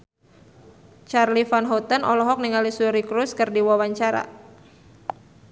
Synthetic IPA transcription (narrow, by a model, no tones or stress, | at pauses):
t͡ʃarlifanɦɔt̪ənɔlɔɦɔk̚niŋalisuɾikɾuskɨrdiwawaɲt͡ʃaɾa̰